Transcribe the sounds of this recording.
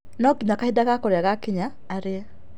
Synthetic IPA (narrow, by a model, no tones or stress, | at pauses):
nɔkiɲakaidaɣakɔɾeaɣakiɲaːɾeɛ